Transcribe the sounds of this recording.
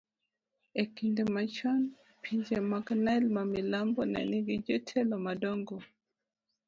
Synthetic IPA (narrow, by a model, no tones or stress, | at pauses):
ɛkindɛmat͡ʃɔn | pʰiɲd͡ʒɛmaɡnajlmamilambɔna̰niɡid͡ʒɔtʰɛlɔmadɔŋɡɔ